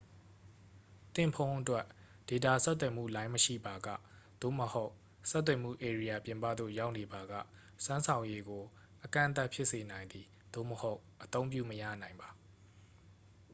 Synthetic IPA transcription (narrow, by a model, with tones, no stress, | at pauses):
t̪ɪ̰̃˦˨mpʰõ˦ʊ̃ʔətwɛ˦ʔ | d̥e˨t̪a˨sɛ˦t̪̬ːwɛ˨m̥ṵ˦˨lã˦ɪ̃məʃḭ˦˨ba˨ɡä̰˦˨ | d̪̥o̰˦˨məho˦ʊ | sɛ˦t̪̬ːwɛ˨m̥ṵ˦˨ʔe˨ɹi˦ja˨pjɪ̃˨mpä̰˦˨d̪o̰˦˨ja˦ʊʔne˨ba˨ɡä̰˦˨ | sã˦nsʰã˨ʊ̃je˦ɡo˨ | ʔəkã̰˦˨ʔt̪a˦ʔpʰjɪ˦ʔse˨nã˨ɪ̃nd̪ði˨ | d̪̥o̰˦˨məho˦ʊʔət̪õ˦ʊ̃mp̬jṵ˦˨məjä̰˦˨nã˨ɪ̃mba˨